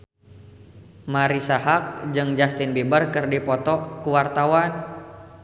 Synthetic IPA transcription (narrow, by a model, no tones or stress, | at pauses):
maɾisaɦak̚d͡ʒɨŋd͡ʒast̪inbibərkɨrdipɔt̪ɔkuwart̪awan